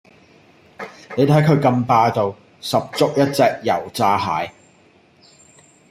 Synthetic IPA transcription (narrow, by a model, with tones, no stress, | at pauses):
ne˨˧jt̪ʰɐ˨˥jkʰɵ˨˧ɥkɐ˧mpaː˧t̪o˨w | sɐ˨p̚t͡sʊ˥k̚jɐ˥t̚t͡sɛː˧k̚jɐ˨˩wt͡saː˧ɦaː˨˥j